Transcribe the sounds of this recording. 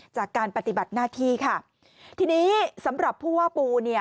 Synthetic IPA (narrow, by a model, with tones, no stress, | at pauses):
t͡ɕaː˨˩kːaː˧npa˧t̪i˨˩ba˨˩t̪̚naː˥˩t̪ʰiː˥˩kʰa˥˩ | t̪ʰiː˧niː˦˥sa˩˦mɾa˨˩pʰːuː˥˩waː˦˥˩puː˧ni˥˩ɐ